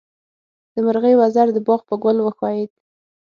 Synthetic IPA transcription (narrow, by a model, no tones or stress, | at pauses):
d̪̥əmaɾɣəjwazaɾd̪əbɑɣpəɡʊlwəxɑjed̪